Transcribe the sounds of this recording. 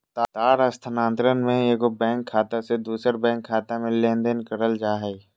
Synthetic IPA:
t̪aːt̪aːɾɐst̪ʰənãːnt̪ɾənmẽeːkobɛ̃ːŋkʰːaːt̪ased̪uːsəɾbɛ̃ːŋkʰːaːt̪amẽleːnd̪ənkəɾəld͡ʒaːɦɛː

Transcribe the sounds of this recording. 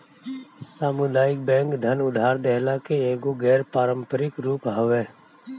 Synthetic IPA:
saːmʊd̪aːɪk̚bɛ̃ːŋkd̪ʱənʊd̪ʱaːɾd̪ɛɦlakeeːɡoɡɛːɾpaːɾə̃mpəɾɪkɾuːpɦɐʋɛː

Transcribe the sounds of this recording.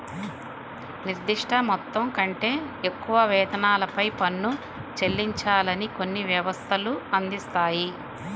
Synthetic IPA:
niɾd̪iʂʈʰɐmɔt̪ːɐmkɐɳʈe̞ːekːuʋɐʋɛːd̪ɐnaːlɐpɐjpɐnːu | t͡ʃe̞lːiɲt͡ʃaːlɐniko̞nːiʋjɐʋɐst̪ʰɐluɐnd̪ist̪aːji

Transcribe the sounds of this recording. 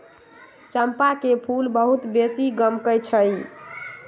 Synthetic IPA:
t͡ʃəmpakepʰulbəɦut̪besiɡəmkəjt͡ʃʰəj

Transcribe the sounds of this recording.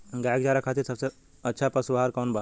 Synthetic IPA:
ɡaɡ̚d͡ʒaːɾakʰat̪iɾsəbse | ətːʃʰapəsuʋɦaɾkɔnba

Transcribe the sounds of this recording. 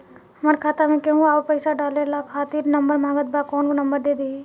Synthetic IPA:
ɦɐmaɾkʰaːt̪amẽkeɦũaːpəɪsaɖaːlelakʰaːt̪iːɾnɐmbəɾmãːɡət̪̚baːkɔːnkonɐmbəɾd̪eːd̪eː

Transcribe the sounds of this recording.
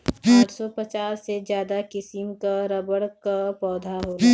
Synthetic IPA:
ʈsɔpət͡ʃaːsːezjaːd̪akɪsɪmkaɾɐbəɽkapɔːd̪ʱaɦoː

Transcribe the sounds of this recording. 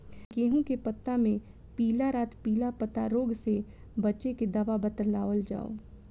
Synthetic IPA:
ɡeːɦũkepɐt̪ːamẽ | piːlaɾaːt̪piːlapət̪a̰ɾoːɡse | bɐtːʃeked̪ɐʋabət̪əlaːʋəld͡ʒa̰ːo̰ː

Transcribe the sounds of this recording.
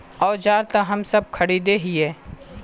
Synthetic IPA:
ɔːɾd͡ʒaːɾt̪aɦɐmsɐb̚kʰɐɽid̪eɦiɛː

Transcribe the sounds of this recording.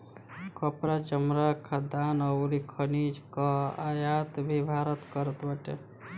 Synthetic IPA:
kəpɾat͡ʃəmɾakʰad̪anəwɾikʰənid͡ʒkəa̰jat̪bʱibʱaɾət̪kəɾət̪bəʈe

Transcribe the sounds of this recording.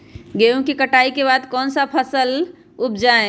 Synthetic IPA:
ɡeũkikəʈaikebad̪kɔːnsapʰəsəl | up̚d͡ʒaẽ

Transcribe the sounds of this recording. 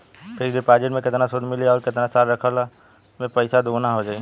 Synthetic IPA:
pʰɪɾɖɪpaːd͡ʒɪʈmẽkɪt̪nasʊd̪ʱmɪliaɔːɾkɪt̪nasaːɾɾəkʰəla | mẽpəɪsad̪oːnaɦod͡ʒaːi

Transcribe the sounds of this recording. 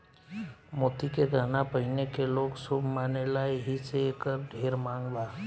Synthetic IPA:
moːt̪ikeɡanapəɦɪnekeloːɡsʊbʱmaːnelaːeɦiseekəɾɖʱeːɾmãːŋɡʋaː

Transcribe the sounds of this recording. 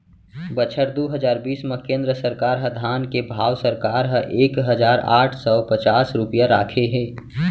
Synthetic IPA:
bət͡ʃʰəɾd̪uːɦəd͡ʒaːɾbiːsmə̃kẽːnd̪ɾəsəɾkaːɾɦə̃d̪ʱaːnkebʱaːwsəɾkaːɾɦə̃ʔeːkɦəd͡ʒaːɾa̰ːʈʰsɔpət͡ʃaːsɾʊpijaɾaːkʰeɦɛ̃ː

